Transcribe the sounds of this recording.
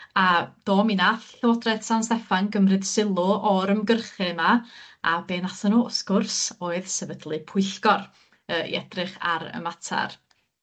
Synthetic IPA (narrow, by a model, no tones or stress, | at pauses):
ad̥oːminaθɬɛwɔdrɛd̥sanstɛfaŋɡəmrɨd̥sɪlˠʊʔɔɾəmɡərχɨmaabeːnasɔnuːsɡ̥ʊrsoːɨðsɛvədlˠɨpʰʊɨɬɡɔr | əːḭɛdrɨχa̰ɾə̰matʰa̰r